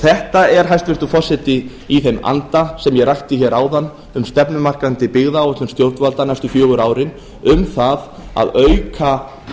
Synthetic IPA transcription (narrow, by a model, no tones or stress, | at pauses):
θɛht̪aɛɾ̥ɦajst̪vɪr̥t̪ʏfɔsːɛt̪ɪ | iθejma̰nt̪asɛmjɛrajht̪ɪçɛɾaːwðanː | ʏmst̪ɛpnʏmar̥kant̪ɪpɪɣðaːwɛt̪lʏmst̪jowɾt̪nvalt̪anajst̪ʏfjœːɣʏɾaːwɾɪn | ʏmθað | a̰ðœɥkʰa